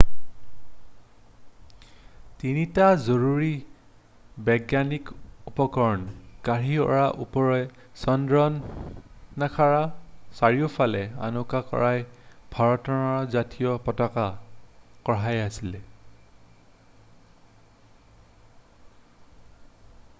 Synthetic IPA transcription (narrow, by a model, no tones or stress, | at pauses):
tinitazoɹuɹi | bɛɡjanikupɔkɔɹɔnkaɹiɔ̰ɹaʔupɔɹɔj | sɔndɹɔnː | akʰaɹasaɹiɔpʰalɛa̰nɔkakɔ̰ɹajb̥ʱaɹɔtɔnaɹzatijɔpɔtaka | kɔɹajasilɛ